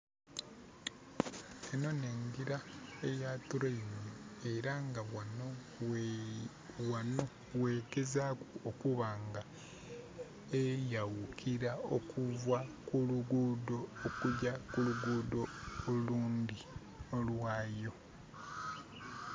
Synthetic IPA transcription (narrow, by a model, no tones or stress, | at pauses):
eno̞ne̞ŋɡiɾaejatuɾemeeɾaŋɡawano | wano̞ | we̞ːɡe̞zaːkuokuβaːŋɡa | ejawukʰiɾao̰kʰuvwakuluɡuːdo̞ːkuɟakuluɡuːdo̞ːluːnd̪i | olwaːjo̞